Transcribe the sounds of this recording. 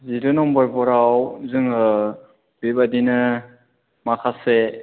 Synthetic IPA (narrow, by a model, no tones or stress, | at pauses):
zidɯnɔmbɔɾbɔɾawzɯŋɯ | bibadinɯ | makʰase